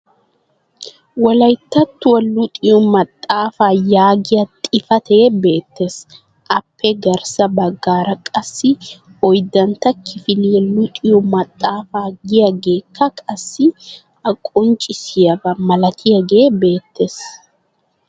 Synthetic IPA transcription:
wɐlɐjt̪ːɐt̪ːʊwɐlːʊt̪ʼɪjɔmɐt̪ʼːaːfaːjaːɡɪjɐt̪ʼɪfɐt̪eːbe̞ːt̪ʰːe̞ːs | ʔɐpːɛɡɐɾsɐbɐɡːaːɾɐkʼɐsːɪɔjd̪ɐnt̪ɐkʰːɪfɪlɪjɛlʊt̪ʼɪjɔmɐt̪ʼːaːfaːɡɪjɐɡe̞ːkʰːɐkʼɐsːɪ | ɐkʼɔnt͡ʃʼɪsɪjɐbɐmɐlɐt̪ʰɪjɐɡeːbe̞ːt̪ːe̞ːs

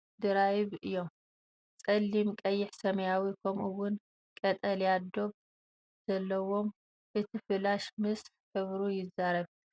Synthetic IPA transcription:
d̪ɨɾajβɨjːo̞m | t͡sʼɐlːimkʼɐjːɪħsɐmɐjawikʰɐmʔuwʊn | kʼɐt̪ʼɐljad̪o̞β | z̥ɐlːɐwo̞m | ʔɨt̪ʰifɨlaʃmɨs | ħɨβɾujɪzaɾɐβ

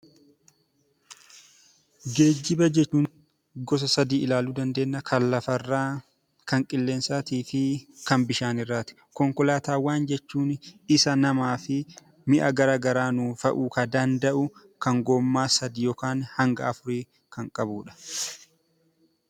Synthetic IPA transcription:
ɡe̞ːd͡ʒːɪbɐd͡ʒɛt͡ʃːuːŋ | ɡɔs̬ɐsɐd̪iːɪlaːluːd̪ɐnd̪eːnːɐkʰɐnlɐfɐrːaː | kɐŋkʼɪlːe̞ːnsaːt̪iːfɪkɐmbɪʃaːnɪrːaːt̪ɪ̥ | kɔŋkɔlaːt̪aːwaːnd͡ʒɛt͡ʃːuːnɪsɐnɐmaːfɪ | mɪʔɐɡɐɾaːɡɐɾaːnuːfɐʔuːkɐd̪ɐnd̪ɐʔʊ | kɐŋɡoːmːaːsɐd̪iːjɔkaːnhɐŋɡɐɐfʊɾiː | kʰɐŋkʼɐbuːᶑɐ̥

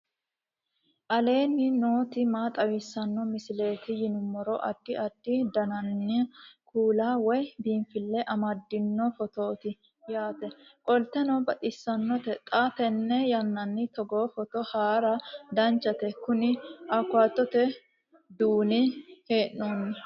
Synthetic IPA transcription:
ʔɐle̞ːnːɪno̞ːt̪ɪmaːt̪ʼɐwɪsːɐnːɔmɪsɪle̞ːt̪ɪjɪnʊmːɔɾɔʔɐd̪̥ːɪɐd̪̥ːɪd̪ɐnɐnːɪkʰuːlaːwɔjbiːnfɪlːɛʔɐmɐd̪ːɪnːɔfɔt̪o̞ːt̪ɪ | jaːt̪ɛkʼɔlt̪ːɛnɔbɐt̪ʼɪsːɐnːɔt̪ɛt̪ʼat̪ɛnːɛjɐnːɐnːɪt̪ɔɡoːfɔt̪ɔhaːɾɐd̪ɐnt͡ʃːɐt̪ɛkʊnɪɐkːʊaːt̪ːɔt̪ɛ | d̪uːnɪheːʔnːoːnːɐ

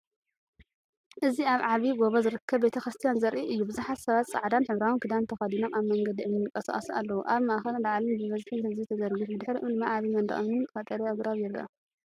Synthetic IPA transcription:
ʔɨziaβʕaβiɡo̞βozɨɾɨkʰːɐβbe̞t̪ʰɐxɾɨst̪ʰijanzɐɾʔiʔɨjːubɨzuħat̪sɐβat̪sʼa̰ʕd̪anħɨβɾawɨnkʰɨd̪ant̪ʰɐxɐd̪ino̞maβmɐŋɡɐd̪iɨnːɨkʼːɐsɐ̰χʼɐsa̰lːɐwuʔaβmaʔxɐllaʕlinbɨβɐzt̪ʰinɨzit̪ʰɐzɐɾɡɨfbɨd̪ɨħɾiʔɨɨmaaβimɐnd̪ɐ̰ʔomɨnfɐt̪ʼɐɾiɐɡɾaβjɪɾiʔɐ

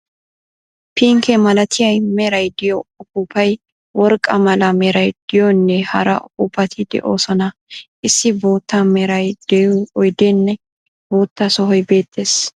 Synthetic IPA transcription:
piŋkɛmɐlɐt̪ʰɪjɐjmɛɾɐjd̪ɪjɔʊkupʰɐj | wɔɾkʼːɐmɐlɐmɛɾɐjd̪̥ɪjɔnːɛhɐ̰ɾɐ̰ʔʊkːuːpːɐt̪ʰɪd̪ɛ̰ʔo̞ːsɔnɐʔɪsːɪboːt̪ːɐmɛɾɐjd̪ɛɔjd̪enːɛ | boːt̪ːɐsɔɦɔjbe̞ːt̪ʰːe̞ːs

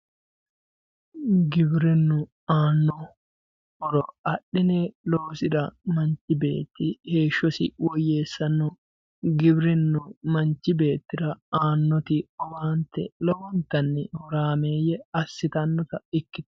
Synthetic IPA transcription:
ɡɪbɾɪnːʊ | aːnːɔ | ʔɔɾɔɐɗːɪneloːsɪᶑɐmɐnt͡ʃɪbe̞̰ːt̪ːɪhe̞ːʃːɔsɪ̰wɔjːe̞ːsːɐnːʊ | ɡɪbɾɪnːʊmɐnt͡ʃːɪbe̞ːt̪ːɪɾɐaːnːɔt̪ɪɔwaːnt̪ɛlɔwɔnt̪ɐnːɪhɔɾaːmeːjɛɐsːɪt̪ɐnːɔt̪ɐɪkːɪt̪

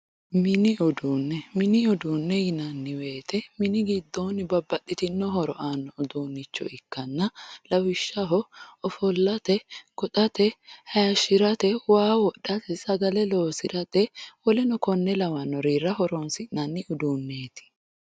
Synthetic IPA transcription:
mɪnɪʊd̪uːnːɛmɪnɪʊd̪uːnːɛjɪnɐnːɪwe̞ːt̪ɛmɪnɪɡɪd̪ːoːnɪbɐbːɐtːɪt̪ɪnːɔɦɔɾɔ̰ʔaːnːɔʊd̪uːnːɪt͡ʃːɔ̰ɪkːɐnːɐlɐwɪʃːɐɦɔɔfɔlːɐt̪ɛkɔt̪ʼɐt̪ɛhɐjɐʃɪɾɐt̪ɛwaːwɔɗːɐt̪ɛsɐɡɐlɛlo̞ːsɪɾɐt̪ɛwɔlɛnɔkɔnːɛlɐwɐnːɔɾiːrːɐhɔɾɔnsɪnɐnːɪʊd̪uːnːeːt̪ɪ̥

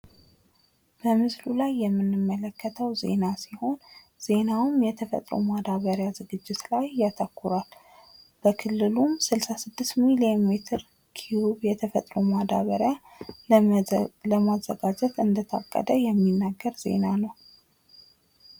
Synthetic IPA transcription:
b̥əmɨslulajːɛmːɨnːɨmːələkːət̪ʰəwze̞̰nasiho̞n | z̥e̞nawmjɛt̪ʰəfə̰t̪ʼɾo̰mad̪aβəɾjazɨɡɨd͡ʒːɪt̪lajjat̪ʰəkʰːuɾal | b̥əkʰɨlːɨlumsɨlsasɨd̪ːɨst̪miliemet̪ʰɨɾ | kʰiwuβjɛt̪ʰəfə̰t̪ʼɾomad̪a̰βəɾja | ləmazːə̰ɡad͡ʒɛt̪ɨnd̪ət̪ʰa̰kʼːə̰d̪əjɛmːinːaɡːəɾz̥e̞̰nanəw

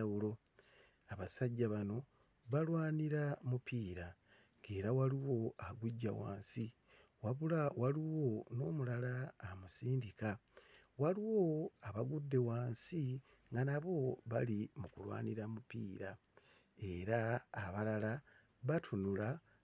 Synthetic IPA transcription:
aulo̞ | aβasaɟːaβano̞ | βalwaːniɾamupʰiːɾa | ŋɡe̞ːɾawaliwo̞aɡuɟːa̰wa̰ːnsi | waβulawaliwo̞no̞ːmulalaːmusiːndika | waliwo̞aβaɡudːe̞waːnsi | ŋɡanaβo̞βalimukulwa̰ːniɾamupiːɾa | e̞ɾaːβalala | βatʰunula

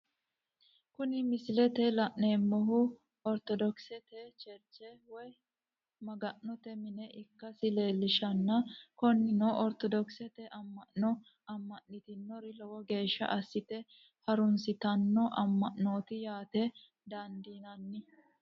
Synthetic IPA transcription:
kʊnɪmɪslɛt̪ɛlɐʔneːmːɔɦʊ | ɔɾt̪ɔd̪ɔksɛt̪ɛt͡ʃɛɾt͡ʃːɛwɔj | mɐɡɐʔnɔt̪ɛmɪnɛʔɪkːɐsɪle̞ːlːɪʃɐnːɐkɔnːɪnoːʔɔɾt̪ɔd̪ɔksɛt̪ɛʔɐmːɐʔnɔ | ɐmːɐʔnːɪt̪ɪnːɔɾɪlɔwɔɡe̞ːʃːɐ̰ʔɐsːɪt̪ɛ | hɐɾʊnsɪt̪ɐnːɔʔɐmːɐʔno̞ːt̪ɪjaːt̪ɛ | d̪ɐnd̪iːnɐnːɪ

